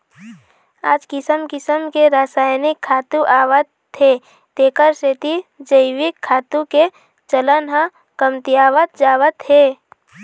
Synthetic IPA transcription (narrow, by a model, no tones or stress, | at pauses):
a̰ːd͡ʒkɪsəmkɪsəmkeɾaːsaːjnɪkʰːaːt̪ũʔaːʋət̪ | ɦe | t̪eːkəɾseːt̪id͡ʒəɪʋɪkʰːaːt̪ũke | t͡ʃələnɦə̃ | kəmt̪ijaːʋət̪̚d͡ʒaːʋət̪ɦeː